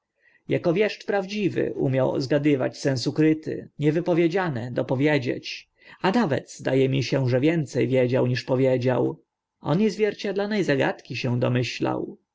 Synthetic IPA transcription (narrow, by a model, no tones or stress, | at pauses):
jakɔvʲjɛʂt͡ʂpɾavd͡ʑivɘ̰ʔṵmʲjaw̰zɡad̪ɘva̰t͡ɕsɛ̃ñsukɾɘt̪ɘ̰ɲɛvɘpɔvʲjed͡ʑanɛd̪ɔpɔvʲjed͡ʑḛt͡ɕ | anavɛ̰d̪z̥d̪ajɛmʲiɕɛʐɛvʲjɛnt̪sɛjvʲjed͡ʑawɲiʂpɔvʲjed͡ʑa̰w | ʔɔ̰nizvʲjɛɾt͡ɕad̪lɔnɛjzaɡa̰t̪kʲiɕɛw̃d̪ɔmɘɕla̰w